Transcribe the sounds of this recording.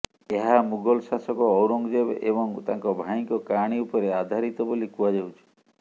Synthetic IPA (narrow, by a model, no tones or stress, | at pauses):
eɦamuɡɔlsasɔkɔːwɾɔŋd͡ʒebḛbɔŋt̪aŋkɔbʱaiŋkɔkaɽ̃iupɔɾead̪ʱaɾit̪ɔbolikuad͡ʒawt͡ʃʰi̥